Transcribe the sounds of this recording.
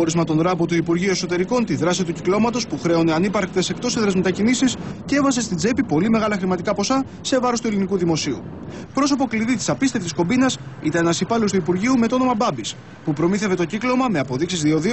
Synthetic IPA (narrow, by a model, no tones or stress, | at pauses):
oɾizmɐt̪o̞nðɾɐpot̪uipuɾʝiue̞kso̞t̪e̞ɾiko̞nt̪iðɾɐsit̪uciklo̞mɐt̪o̞spuxɾe̞o̞ne̞ɐnipɐɾk̚t̪e̞se̞kt̪o̞seðɾɐzme̞t̪ɐcinisisceevɐse̞st̪id͡ze̞pipo̞lime̞ɣɐlɐxɾimɐt̪ikɐpo̞sɐ | se̞vɐɾost̪elinikuðimo̞siṵpɾo̞so̞po̞kliðit̪i̥sɐpist̪eft̪isko̞binɐsit̪ɐnenɐsipɐlost̪uipuɾʝiume̞t̪oo̞no̞mɐbɐbis | pupɾo̞miθe̞ve̞t̪o̞ciklo̞mɐme̞ɐpo̞ðiksizðio̞ðio